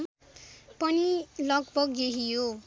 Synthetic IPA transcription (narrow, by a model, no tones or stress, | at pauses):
m | pʌnilʌkbʌɡjeɦijo